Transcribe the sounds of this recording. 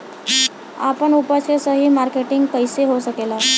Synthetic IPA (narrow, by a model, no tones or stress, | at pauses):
a̰pəɳupəsesəɦiːmaɾkeʈiŋɡkəjseɦosəkela